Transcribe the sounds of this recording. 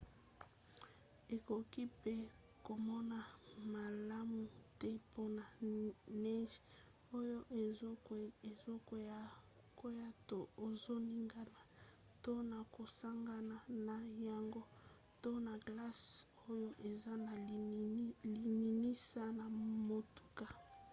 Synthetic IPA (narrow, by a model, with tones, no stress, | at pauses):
e˨ko˨ki˦pe˦ | ko˨mɔ˦na˨ma˨la˦mu˨tɛ˦po˦na˨nɛ˦ʒ | o˦jo˦ʔe˨zo˦ko˨ja˦˨ | ko˦ja˦to˦o˨zo˦ni˦ŋɡa˨na˨ | to˦na˨ko˨sa˦ŋɡa˨na˨na˨ja˨ŋɡo˦ | to˦na˨ɡla˦s | o˦jo˦ʔe˨za˦na˨˦li˨ni˨ni˦sa˦na˨mo˨tu̥˨ka˨